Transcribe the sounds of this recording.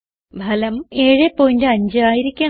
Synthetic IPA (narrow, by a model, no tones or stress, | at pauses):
bʱɐlɐmeːɻepːoːjindeɐɲd͡ʑɨaːjiɾikʲːɐ